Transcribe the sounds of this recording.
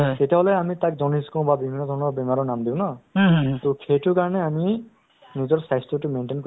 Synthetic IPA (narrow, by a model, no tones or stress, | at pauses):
tetiaɦolɛamitak̚zɔniskɔ̃w̃babibʱinːɔd̪ʱɔɹnɔɹbɛmaɹɔnamdĩʊ̃na | tokʰejtʊkaɹɔnɛami | nizɔɹsajstutumenʈenko